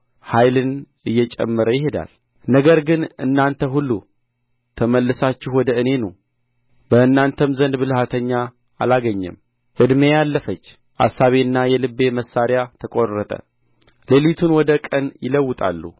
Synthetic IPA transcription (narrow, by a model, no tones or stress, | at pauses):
hajlɨn | ɨjːɛt͡ʃʼɛ̰mːɨɾəjɪɦed̪a̰l | nəɡəɾɡɨnɨ̰nːant̪ʰəɦulːu | t̪ʰəməlːɨsat͡ʃːɪhwɔd̪əɨne̞nəw | bəɨnːant̪ʰəmzənd̪bɨlɨhat̪ʰəɲːaː | laɡəɲːɛ̰m | ʔɨd̪mejalːəfət͡ʃː | ʔa̰sːaβeɨnːajɛlɨbːe̞məsːaɾɪjat̪ʰəkʼorːət̪ʼə̰ | lelit̪ʰunwɔd̪əkʼənjɪləwːʊt̪ʼa̰lːṵ